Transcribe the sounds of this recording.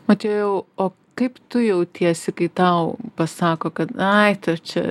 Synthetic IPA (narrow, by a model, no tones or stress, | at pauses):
mɐt̪ʲɛjɛʊoː | kɐɪpt̪ʊjɛʊt̪ʲiɛsʲɪkɐɪt̪ɐʊpɐsɑːkoːkɐt̪ɐɪt̪ʊt͡ʃʲɛ̰